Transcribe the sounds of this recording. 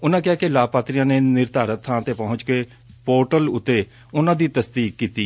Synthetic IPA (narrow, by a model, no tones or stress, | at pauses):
ʊnãːkɪaːkɪlaːpaːt̪ɾɪjãːneːnɪɾd̪ʱaːɾət̪ʰãːt̪eːpəɦʊ̃t͡ʃkeː | poːɾʈəlʊt̪ːeː | ʊnãːd̪iːt̪əsd̪iːkːiːt̪iː